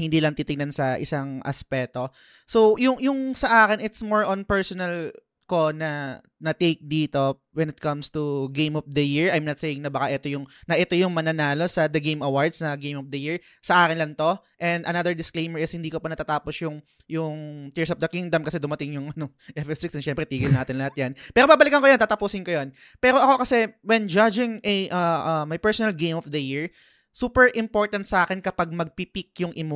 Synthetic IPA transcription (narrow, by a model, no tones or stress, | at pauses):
hɪnd̪iːlɐŋt̪iːt̪ɪɡnɐnsɐʔɪ̰saŋʔɐ̰spɛːt̪o̞ | so̞wjʊŋjʊŋsɐʔaːkɪnɪt̪smoɹʔɔ̃npɛɹsɔnɐl | ko̞nɐ | nɐt̪ejk̚d̪iːt̪o̞ | wɛnɪt̪̚kɐmst̪uɡejmɔfd̪ɐjiɹɐjmnɐt̪seːjɪŋnɐbɐkaʔɛt̪o̞jʊŋnɐʔɛt̪o̞jʊŋmɐnɐnaːlo̞sɐd̪ɐɡejmɐwaɹd̪snɐɡẽjmɔfd̪ɐjiɹ | sɐʔaːkɪnlɐŋt̪o̞ | ʔɛ̃nd̪ʔɐnɐðɛɹd̪ɪsklejmɛɹɪshɪnd̪iːkopɐnɐt̪aːt̪aːposjʊŋ | jʊŋt̪ɪɹsɐf̚d̪ɐkiŋd̪ɐmkɐsɛd̪ʊmɐt̪ɪŋjʊŋʔɐno | ʔɛfɛfsɪkstɛnʃɛmpɾɛt̪iːɡɪlnaːt̪ɪnlɐhat̪̚jɐnpɛːɾobabɐlɪkɐŋkojont̪aːt̪ɐpuːsɪnkojon | pɛːɾo̞ʔɐko̞kɐsɛwɛnd͡ʒad͡ʒɪŋʔɛʔɐʔɐmɐjpɛɹsonɐlɡejmɔfd̪ɐjiɹ | suːpɛɹʔɪmpo̞ɹt̪ɐnt̪sɐʔaːkɛnkɐpaɡ̚mɐɡ̚pipɪk̚jʊŋʔɪmo